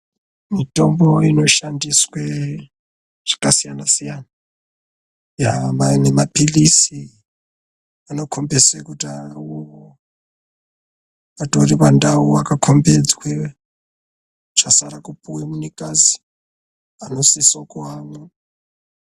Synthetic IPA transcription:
mitomboino̞ʃandiswe | ʐ̥akasijanasijana | jamanemapilisi | ano̞kʰombeswekutauβo | atoripandauakakʰombed͡zwe | t͡ʃasaɾakupuwemunikʼazi̥ | anosisokuwanu

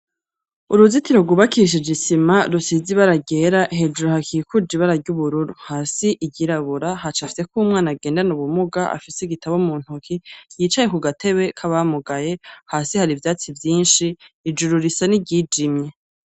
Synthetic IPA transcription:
uɾuzitiɾoɡuβakiːʃ̬id͡ʒisimaɾusiziβaɾaɟe̞ːɾaʔɦe̞ːd͡ʒuɾuhakʰiekʰud͡ʒiβaɾaɟuβuɾuɾuhaːsiʔiɟiɾaβuɾahat͡ʃafi̥se̞kumŋaːnaɡe̞ːndanuβumuɡaʔa̰fiseɡitaβomuːn̥hukʰijiːt͡ʃajekuɡatʰe̞βwe̞kʰaβamuɡaje̞haːsihaɾivjaːt͡sivjiːnʃiːd͡ʒuɾuɾisaniɟiːd͡ʒimɲe̞

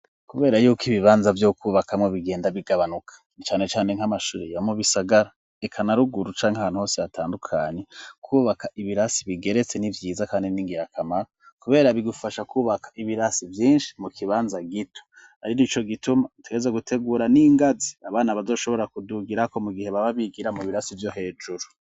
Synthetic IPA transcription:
kuβe̞ːɾajuːkiβiβaːnzavjokuːβakamŋoβiɡe̞ːndaβiɡaβanukʰḁnit͡ʃaːne̞t͡ʃaːne̞ŋ̥amaʃṵːɾeβamuβisaɡaɾa | ekʰanaɾuɡuɾut͡ʃaːŋhaaːnuho̞ːseβatʰaːndukʰaɲe̞kʰuːβakaʔiβiɾasiβiɡe̞ɾe̞t͡se̞nivjiːzakaːndiniŋɡiɾakʰamaɾo | kuβe̞ːɾaβiɡufaʃakuːβakʰḁʔiβiɾasivjiːnʃi̥mukʰiβaːnzaɡitʰo̥ | haɾinit͡ʃo̞ɡitumatʰeɡezaɡutʰe̞ɡuːɾaniŋɡaziaβaːnaβazo̞ːʃo̞βo̞ɾakuduɡiɾako̞muɡihe̞βaβaβiɡiɾamuβiɾasivjo̞he̞ːd͡ʒuɾu

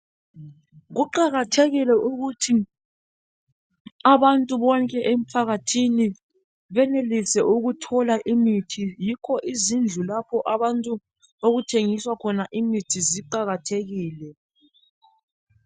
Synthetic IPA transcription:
ɣuǃaɣatʰeɣilɛʔuɣutʰi | aβantʼuβɔŋkʼɛʔem̩pʰaɣatʰini | βɛnelisɛʔuɣutʰɔlaʔimitʰijikʰɔʔizind͡ɮʱulapʰɔʔaβantʼu | oɣutʰeŋiswakʰɔnaʔimitʰiziǃaɣatʰeɣiːlɛ

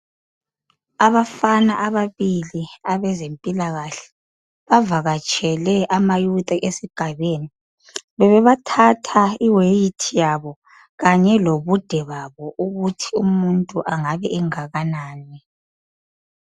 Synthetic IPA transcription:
aβafanaʔaβaβiliaβɛzempʼilaɣaɬɛ̥ | βavaɣat͡ʃʼɛlɛʔamajutʼaʔesiɡ̥ʱaβeni | βɛβɛβatʰatʰaiwejitʰijaβɔ | ɣaɲɛloβud̥ʱɛβaβɔʔuɣutʰiumuntʼuʔaŋaβɛʔɛŋaɣanaːni

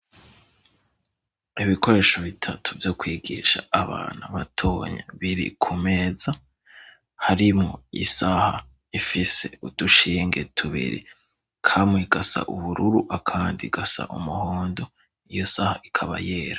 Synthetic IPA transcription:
iβiko̞ɾe̞ːʃo̞βitʰatʰu̥vjo̞kwiːɡiːʃaaβa̰ːn̥huβatʰo̞ːɲa̰βiɾḭkʰume̞ːza | haɾimŋo̞isaha | ifise̞̰ud̥uʃiːŋɡe̞tʰuβḭɾḭ | kʰamŋeɡ̥asa̰ʔuβuɾuɾuʔakʰaːndiɡasa̰ʔumuhoːndo̞ | ijo̞sahaʔikʰaβa̰jeːɾa

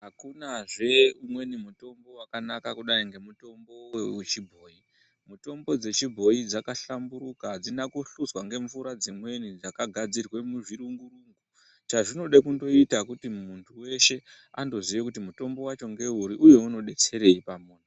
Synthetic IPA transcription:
ɦakunaʐe̞umwe̞nimuto̞mbo̞wakanakakuɗaiŋɡe̞muto̞mbo̞weet͡ʃibʱo̞ːi | muto̞mbo̞d͡ze̞t͡ʃibʱo̞id͡zakaɬambuɾukad͡zinakuɬuswaŋɡe̞ɱfuɾad͡zimwe̞nid͡zakaɡʱad͡zirwe̞muʐiɾuŋɡuɾuŋɡu | t͡ʃaʐino̞ɗakundo̞itakutimuntʰuwe̞ʃe̞ | ando̞ziʋekutimuto̞mbo̞wat͡ʃo̞ŋɡe̞uɾiʔuje̞uno̞ɗe̞t͡se̞ɾe̞ipamuːno

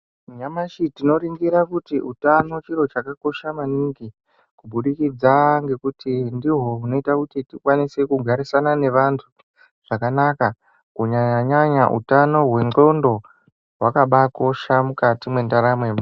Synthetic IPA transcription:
ɲamaʃitino̞ɾiŋɡiɾakutiutano̞t͡ʃiɾo̞t͡ʃakako̞ʃamaniŋɡi | kubuɗikid͡zaŋɡe̞kutindiɦo̞ɦuno̞itakutitikwanise̞kuɡʱaɾisanane̞ʋantʰu | ʐ̥akanaka | kuɲaɲaɲaʔṵtano̞ɦwe̞ŋŋ͡ǃo̞ndo̞ | wakaɓako̞ʃamukatimwe̞ndaɾamwem

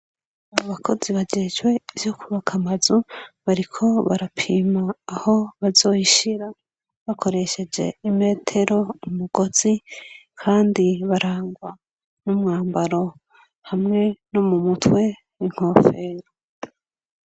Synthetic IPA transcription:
aaβakʰo̞ziβad͡ʒed͡ʒɡwe̞iv̥jo̞kʰuβakʰamazuβaɾikʰo̞βaɾapʰiːmaːho̞βazo̞ːjiʃiɾa | βakʰo̞ɾe̞ʃe̞d͡ʒe̞̰ime̞ːtʰe̞ɾo̞umuɡ̥o̞z̥ikʰaːndiβaɾaːŋɡwa | numŋaːmbaɾo̞ | hamŋe̞nomumutwe̞ | wiŋ̥ho̞fe̞ːɾo

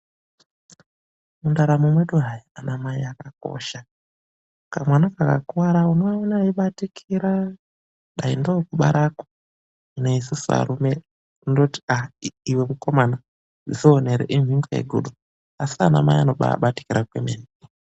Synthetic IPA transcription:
mundaɾamumweɗuɦajianamaiakak̚o̞̰ʃa | kamwanakaka̰kuwaɾaunoaonaiɓatikʰiɾa | ɗaindokuɓaɾako̥ | ineisisa̰ɾume | indoti̥aiwemukomana | zizoneɾḛʔimiŋɡḛjḛɡʱṵɗu | asiana̰ma̰ianoɓa̰ɓati̥kiɾakwḛmeni

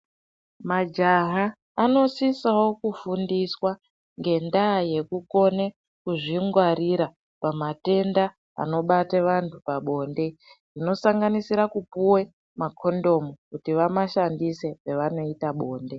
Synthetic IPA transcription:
mad͡ʒaɦaː | no̞sisawo̞kufundiswa | ŋɡe̞ndaːje̞kuko̞ne̞ | kuʐiŋɡwaɾiɾa | pamate̞nda | a̰no̞ɓateʋantʰupaɓo̞nde̞rino̞saŋɡanisiɾakupuwe̞ | makʰo̞ndo̞mukutiʋamaʃandise̞eʋano̞itaɓo̞ːnde̞

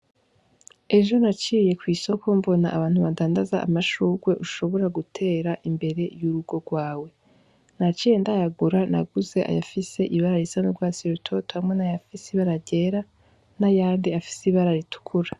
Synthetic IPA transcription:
e̞ʒo̞nat͡ʃiːje̞kwiːso̞kʰo̞mbo̞naʔːβaːn̥huβadaːndazaʔa̰maʃuɡwe̞ʔuʃo̞βo̞ɾaɡutʰe̞ːɾaʔimbe̞ɾe̞juɾuɡo̞ɡwaːwe̞ | nat͡ʃiːjendajaɡuɾana̰ɡuze̞ʔa̰ja̰fise̞ʔiβaɾaɾisanuɾɡwaːsiɾotʰo̞tohamŋenajafisiβaɾaɾɟe̞ɾa | najaːndiafi̥seiβaɾaɾitu̥kʰuɾa

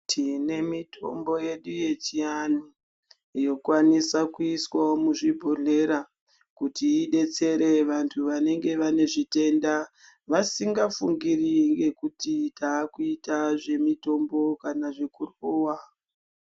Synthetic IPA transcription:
tʰine̞mitʰo̞̰mbo̞je̞ɗuje̞t͡ʃiani | jo̞kwanisakuiswaomuʐibʱo̞ɮe̞ɾa | kutiːɗe̞t͡se̞ɾe̞ʋantʰuʋane̞ŋɡe̞ʋane̞ʐite̞nda | ʋasiŋɡafuŋɡiriŋɡe̞kutitaːkuitaʐe̞mito̞mbo̞kanaʐekuroːwa

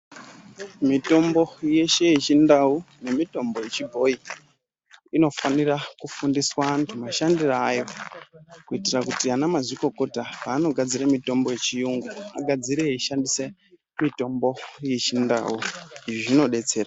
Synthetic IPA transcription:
mito̞mbo̞je̞ʃe̞jet͡ʃindau | ne̞mito̞mbo̞je̞t͡ʃibʱo̞i | ino̞fanirakufundiswaːntʰumaʃandiraːjo̞ | kuitirakutianamaziko̞kotapaːno̞ɡʱad͡ziramito̞mbo̞je̞t͡ʃijuŋɡua̰ɡʱad͡ziɾeiʃandise̞ | mito̞mbo̞jet͡ʃinda̰uiʐoʐino̞ɗe̞t͡se̞ːra

